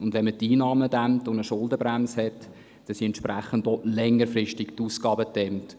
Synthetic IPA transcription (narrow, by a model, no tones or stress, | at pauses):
ʊndʋɛnmətiːnɑːmədæmtʊndəʃʊldəbɾæmshɛt | d̥ɑsiɛntʃpræχəndɔlɛŋːəɾfrɪʃtiktuːskɑːbətɛmt